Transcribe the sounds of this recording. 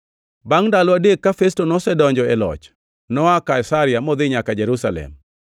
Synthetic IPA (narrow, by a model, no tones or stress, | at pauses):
baŋndalɔadekːafestonɔsɛdɔɲd͡ʒɔɛlɔ̰t͡ʃ | nɔakaisaɾɪamɔd̪ɪɲakad͡ʒeɾusalɛ̰m